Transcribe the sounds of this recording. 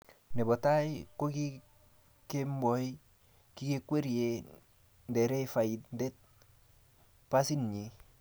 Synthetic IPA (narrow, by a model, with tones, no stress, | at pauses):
ne˨bɔ˨ta˦iko˦ki˦ | ke˦mbɔ˨i˦ | ki˦ke˦kwe˦ɾje˨ | ndɛ˨ɾɛ˦ifa˨i˨tnde˦t̚ | pa˦si˦nɲi˨